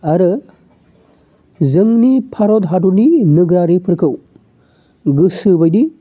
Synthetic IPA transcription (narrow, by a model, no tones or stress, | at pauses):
ɐɾɯ | zɯŋnipʰaɾɔdɦaduninɯɡɾaɾipʰɯɾkʰɯw | ɡɯsɯbajdi